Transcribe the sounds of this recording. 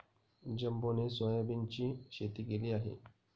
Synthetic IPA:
d͡ʒɐmbonesojabint͡ʃiʃet̪ikeliaːɦḛ

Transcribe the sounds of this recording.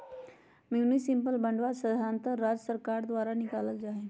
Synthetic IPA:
mjunisimpəlbə̃ɳɖʋasəd̪ʱaːnt̪əɾad͡ʒəsəɾkaːɾd̪ʋaːɾanɪkaːləld͡ʒaːɦe

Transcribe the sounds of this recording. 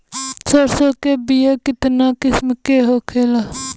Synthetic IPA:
səɾsoːkeːbijaːkɪt̪naːkɪsmkeːɦoːkʰeːlaː

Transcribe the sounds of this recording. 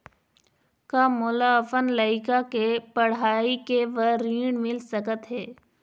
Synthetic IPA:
kaːmʊlaəfənləikakepəɽ̤aːikeʋəɾiːɳmɪlsəkət̪ɦeː

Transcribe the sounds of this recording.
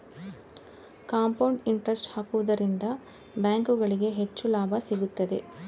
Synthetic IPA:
kaːmpɐwɳɖiɳʈɾɐsʈhaːkuʋɐd̪ɐɾind̪ɐ | bjaːŋkuɡɐɭiɡe̞ɦet͡ʃːulaːbʱɐsiɡut̪ːɐd̪e̞̰

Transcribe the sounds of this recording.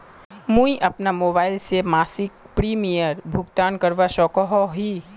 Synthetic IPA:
mũiʔɐpnamoːbaːɪlsemaːsɪk̚pɾiːmijəɾbʱʊɡt̪aːnkɐɾʋaʃɔːkɔɦɔɦiː

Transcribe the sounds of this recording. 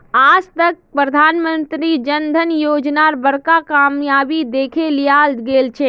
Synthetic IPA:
aːd͡ʒt̪ək̚pɾəd̪ʱaːnmənt̪ɾid͡ʒənd̪ʱənjoːd͡ʒnaɾbəɾkakamjaːbid̪eːkʰelijaːlɡeːlt͡ʃʰɛ

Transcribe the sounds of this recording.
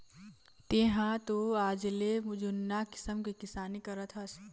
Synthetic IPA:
t̪eɦãt̪oaːd͡ʒlemʊd͡ʒunːakɪ̥səmkikɪsaːnikɐɾət̪ɦɐs

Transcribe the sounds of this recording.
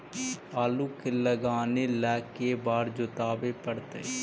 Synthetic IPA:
aːluːkeləɡaːneːlɛːkebaːɾd͡ʒʊt̪aːʋeːpəɽt̪eː

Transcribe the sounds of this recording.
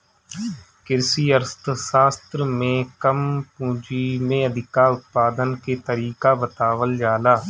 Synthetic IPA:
kɪɾsiːəɾst̪saːst̪ɾəmẽːkəmpũːd͡ʒiːmẽːəd̪ʱɪkaːʊt̪̚paːd̪ənkeːt̪əɾiːkaːbət̪aːʋəld͡ʒaːlaː

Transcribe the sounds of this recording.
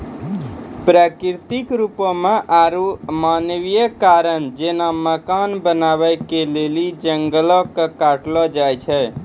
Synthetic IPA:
pɾakiɾt̪ikɾupəmeʔaɾumanʋijəkaɾənd͡ʒenaməkanbənaβəjkelelid͡ʒəŋɡəlɔkekaʈlɔd͡ʒajt͡ʃʰɛ

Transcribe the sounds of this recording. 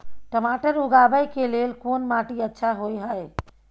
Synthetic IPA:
ʈəmaʈəɾuɡabəjkelelkonmaʈiətːʃʰaɦojɦəj

